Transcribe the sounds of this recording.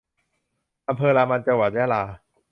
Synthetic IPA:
ʔa˧mpʰɤː˧laː˧ma˧nt͡ɕa˧ŋwa˨˩t̪̚jaː˥˩laː˧

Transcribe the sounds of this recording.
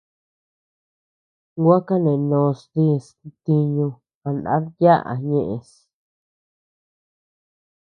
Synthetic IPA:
ɡʷa˦ka˦nẽ˨nõ˧st̪ĩ˦˧˨st̪i˧ɲũ˧ | ã˧nã̰˦ɾja˦ʔa̰˨ɲẽ˦˧ʔẽ˧s

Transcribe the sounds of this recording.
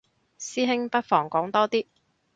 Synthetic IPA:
siː˥ɦɪ˥ŋpɐ˥t̚fɔː˨˩ŋkɔː˨˥ŋt̪ɔː˥t̪iː˥

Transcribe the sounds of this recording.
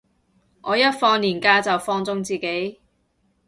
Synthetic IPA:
ʔɔː˨˧jɐ˥t̚fɔː˧ŋliː˨˩nkaː˧t͡sɐ˨wfɔː˧ŋt͡sʊ˧ŋt͡siː˨˩ke˨˥j

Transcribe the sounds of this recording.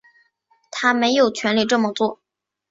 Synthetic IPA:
t̪ʰa˥me˧˥ɪjo˨˩ʊt͡ɕʰɥɛ˧˥nli˥˩ʈ͡ʂɤ˥˩mə˨˩t͡swɔ˥˩

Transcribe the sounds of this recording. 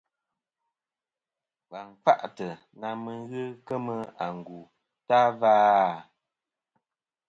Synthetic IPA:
va˨ŋ˨k͡pa˦ʔtə˨ | na˨mə˨ɣə˦kə˦mə˦a˨ŋ˨ɡu˨ | ta˦vaː˦

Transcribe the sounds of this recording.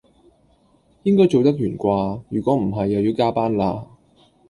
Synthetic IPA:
jɪ˥ŋkɔː˥jt͡so˨wt̪ɐ˥k̚jyː˨˩nkʷaː˧jyː˨˩kʷɔː˨˥m̩˨˩ɦɐ˨jːɐ˨wjiː˧wkaː˥paː˥nlaː˧

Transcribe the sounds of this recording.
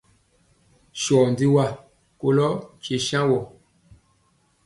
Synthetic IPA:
ʃɔ˨ndi˦wa˦˨ | ko˨lɔ˦t͡ʃe˨ʃã˦wɔ˨

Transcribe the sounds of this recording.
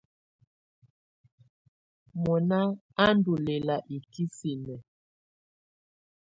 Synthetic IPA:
mɔ˨na˦ | a˦ndu˨le˨la˨ʔi˨ki˦si˨nɛ˨

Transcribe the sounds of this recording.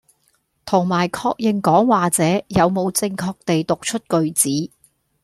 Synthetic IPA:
t̪ʰʊ˨˩ŋmaː˨˩jkʰɔː˧k̚jɪ˨˩ŋkɔː˨˥ŋwaː˨t͡sɛː˨˥jɐ˨˧wmo˨˧wt͡sɪ˧ŋkʰɔː˧k̚t̪e˨jt̪ʊ˨k̚t͡ʃʰɵ˥t̚kɵ˨ɥt͡siː˨˥

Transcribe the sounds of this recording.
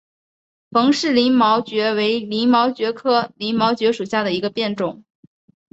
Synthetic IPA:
fɤ˧˥ŋʂɻ̩˥˩li˧˥nmɑ˧˥ʊt͡ɕɥɛ˧˥we˧˥ɪli˧˥nmɑ˧˥ʊt͡ɕɥɛ˧˥kʰɤ˥˩li˧˥nmɑ˧˥ʊt͡ɕɥɛ˧˥ʂu˨˩ɕja˥˩d̪ə˩i˧˥ɡə˧pjɛ˥˩nʈ͡ʂʊ˨˩˦ŋ

